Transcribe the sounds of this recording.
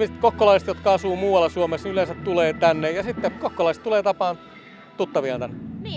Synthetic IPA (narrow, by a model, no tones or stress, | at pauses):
mist̪kokːolɑiset̪jot̪kɑɑsuːmuːwɑlːɑsuomesniylensæt̪t̪uleːt̪ænːejɑsit̪ːekokːolɑist̪t̪uleːt̪ɑpɑːn | t̪ut̪ːɑʋiɑnt̪ænːe